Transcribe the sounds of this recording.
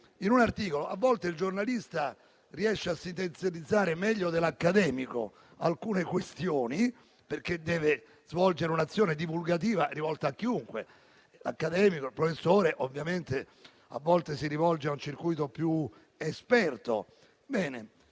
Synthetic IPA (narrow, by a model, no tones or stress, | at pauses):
inunart̪iːkoloʔavːɔlt̪eild͡ʒornalist̪a | riɛʃːeasːint̪ent̪sjalid̪zːaːɾemɛʎːod̪elakːad̪ɛːmiko̰ | a̰lkuːnekwest̪joːni | perk̟ːed̪ːɛːve | zvɔld͡ʒeɾeunat̪sːjoːned̪ivulɡat̪̬iːvarivɔlt̪aːkːiuŋkwḛ | la̰kːad̪ɛːmikoilpɾofesːoːɾeʔovːjament̪e | a̰vːɔlt̪esiɾivɔld͡ʒeaunt͡ʃirkujt̪opju | espɛrt̪o̰ | bɛːnḛ